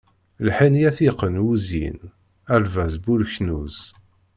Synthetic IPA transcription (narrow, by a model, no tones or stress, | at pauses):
lħinjæθiqːənuzḭn | ælvæzbulçnuz̥